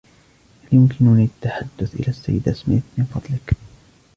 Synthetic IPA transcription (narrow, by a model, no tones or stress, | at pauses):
haljʊmkɪnʊniʔat̪ːaħad̪ːʊθʔɪ̰laːsːa̰jːɪd̪asmḛːt̪mɪnfɑd̪ˤlɪk